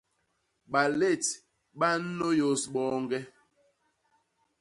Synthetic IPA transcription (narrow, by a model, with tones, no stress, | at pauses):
ɓa˨le˦˨t | ɓa˦n̩˦no˦jo˦˨sɓɔ˦ŋɡɛ˦